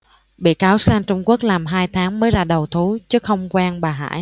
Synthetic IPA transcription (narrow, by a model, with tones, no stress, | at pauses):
ɓḭ˧˨kaː˨˦wsaː˧nt͡ɕʊ˧ŋ͡mku˦˥ək̚laː˨˩mɦaː˧jt̪ʰaː˨˦ŋməː˨˦jzaː˧ɗə˨˩wt̪ʰu˨˦t͡ɕɨ˨˦xə˧wŋ͡mkwaː˧nɓaː˨˩ɦa̰ː˧˥˨j